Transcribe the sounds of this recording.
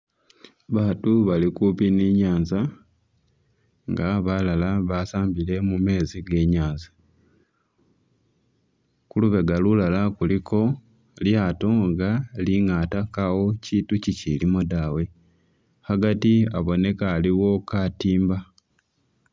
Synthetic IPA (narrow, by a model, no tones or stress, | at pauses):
βaːtuβalikupiniɲaːnza | ŋɡaβalalaβasaːmbile̞mume̞ːziɡe̞ːɲaːnza | kuluβe̞ɡalulalakulikʰo̞ | ljaːto̞ŋɡaliŋatakawo̞citucicilimodawe̞ | haɡatiaβo̞ne̞kaːliwo̞katiːmba